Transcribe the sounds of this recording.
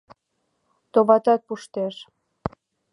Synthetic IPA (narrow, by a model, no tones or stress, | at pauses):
t̪oβɑt̪ɑt̪̚puʃt̪eʃ